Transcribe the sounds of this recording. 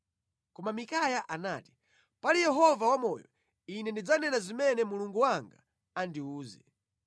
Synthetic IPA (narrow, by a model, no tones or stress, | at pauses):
kɔmamikajaʔanaːti̥ | palijɛɦɔvawamɔjɔ̰ | inɛndid͡zanɛnazimɛnɛmuluŋɡuwaŋɡa̰ | andiuːzɛ